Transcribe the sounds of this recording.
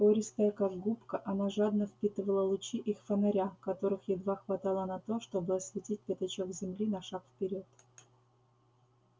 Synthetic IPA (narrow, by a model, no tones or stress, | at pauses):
poɾʲɪst̪əjəkaɡɡupkəʔɐnaʐad̪nəfpʲit̪ɨvəlˠəlˠʊt͡ɕiʔixfənɐɾʲakɐt̪o̞ɾɨxjɪd̪vaxvɐt̪alˠənɐt̪o̞ʂt̪o̞bɨɐsvʲɪtʲit̚ʲpʲɪt̪ɐt͡ɕokzʲɪmlʲinɐʂakfpʲɪɾʲo̞t̪